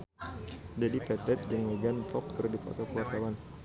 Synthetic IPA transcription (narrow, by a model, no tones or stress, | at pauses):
d͡ʒadifɛt̪ɛt̪̚d͡ʒəŋwəɡanfɔk̚kərdipɔ̰t̪ɔkuwart̪awan